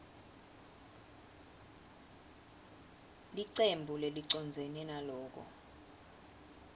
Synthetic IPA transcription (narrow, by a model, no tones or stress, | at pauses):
liǀembʱuleliǀɔnd͡zʱenɛnalɔːk̬ɔ̰